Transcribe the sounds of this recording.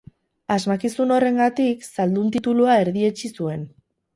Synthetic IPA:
azmakisuno̞re̞ŋɡat̪iksald̪unt̪it̪uluae̞ɾðie̞t͡ʃisue̞n

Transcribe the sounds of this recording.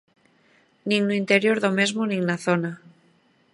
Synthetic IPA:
nĩŋnuint̪eɾjo̞ɾðome̞zmonĩŋnaθona

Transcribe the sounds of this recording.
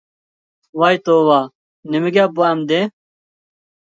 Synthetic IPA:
waːjt̪oːwaː | nimiɡaːbuaːmd̪ẽ

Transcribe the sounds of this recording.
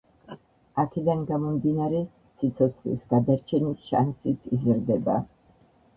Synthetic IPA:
akʰɛd̪anɡamɔmd̪inaɾɛ | sit̪sʰɔt̪sʰχlḭsɡad̪aɾt͡ʃʰɛnisʃa̰nsit̪ʰizɾd̪ɛba

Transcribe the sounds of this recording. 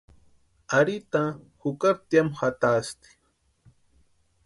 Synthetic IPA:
aɾit̪a | hʊkaɾt̪jamxat̪ast̪i̥

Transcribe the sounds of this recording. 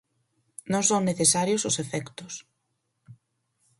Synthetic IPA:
nõŋsoŋneθesaɾjʊsʊsefɛkt̪ʊs

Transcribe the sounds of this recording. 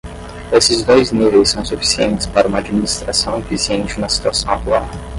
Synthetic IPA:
esɪzd̪ojznivejsːɐ̃w̃sufi̥siḛ̃nt͡ʃɪ̥spaɾɐũmɐad͡ʒminist̪ɾasɐ̃w̃efisiẽnt͡ʃɪnɐsi̥t̪uasɐ̃w̃at̪uaɾ

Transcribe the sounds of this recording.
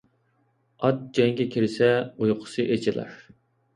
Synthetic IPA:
ɑt̪̚d͡ʒɛŋɡʲɛkʲʰiɾɪsɛujqʰʊ̥sɨʔet͡ʃʰɪlˠɑ̰ɾ

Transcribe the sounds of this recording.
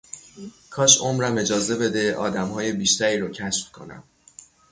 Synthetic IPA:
kʰɒːʃomɾæme̞d͡ʒɒːze̞be̞d̪e̞ʔɒ̰ːd̪æmhɒːje̞biːʃt̪æɾiːɾɒːcʰæʃfkʰo̞̰næ̰m

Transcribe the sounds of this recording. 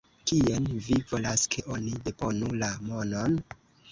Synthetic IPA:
kienvivo̞laskʰe̞ʔo̞nide̞po̞nulamo̞no̞n

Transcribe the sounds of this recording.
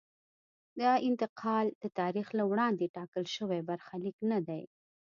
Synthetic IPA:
d̪ɑɪnt̪ɪqʰɑld̪̥ət̪ɑɾixlawɽɑnd̪eʈɑkəlʃəwabaɾxaliknad̪aj

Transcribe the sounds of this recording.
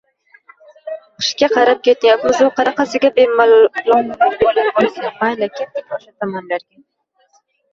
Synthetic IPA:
qʰɨ̥ʃkʲaqʰɑɾap̚kʲet̪nɪjat̪mɪzʊqʰɑɾɑqɑsɪɡʲabemlabolabolˠsamajlakʲʰet̪̚ɪkʲɒʃat̪ʰamɒnlaɾɡʲa

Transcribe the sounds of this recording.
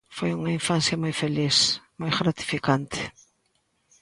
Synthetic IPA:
fojuŋɐĩfãnsjɐmajfelismajɣɾat̪i̥fikãnt̪ɪ̥

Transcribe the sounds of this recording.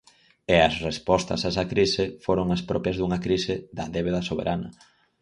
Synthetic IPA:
eɐsrespɔst̪ɐ̰sɛsɐkɾisɪfoɾoŋaspɾɔpjɐzðuŋɐkɾisɪðɐðeβ̞eðɐsoβḛɾʔanɐ̰

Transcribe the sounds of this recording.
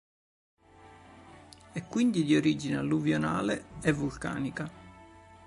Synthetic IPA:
ɛkːwind̪id̪ioɾid͡ʒinealːuvjona̰ːleɛvːulka̰ːnika

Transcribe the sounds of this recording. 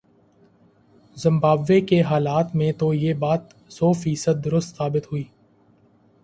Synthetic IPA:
zɪ̃mbaːbʋekeɦaːlaːt̪mẽt̪ojeːbaːt̪ | sɔːfiːsəd̪̚dːʊɾʊst̪saːbɪt̪ɦʊiː

